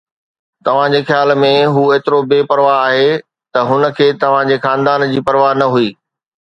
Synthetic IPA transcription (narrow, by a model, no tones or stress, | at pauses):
t̪ɐʋ̤ãd͡ʑeːxjaːlmẽɦuːeːt̪ɪɾobeːpɐɾʋaɦaːɦe | t̪ɐɦʊnə̆kʰeːt̪ɐʋ̤ãd͡ʑeːxãːnd̪aːnd͡ʑiːpɐɾʋaːɦnɐɦuiː